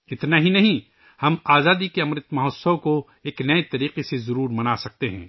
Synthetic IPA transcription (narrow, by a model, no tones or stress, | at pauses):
ɪt̪naɦinɐɦĩ | hɐmaːzaːd̪ikeɐmɾɪt̪mɐɦɔsowko | eːknɐet̪ɐɾiːqesezɐɾuːɾmɐnaːsɐk̚t̪eɦɛ̰̃ː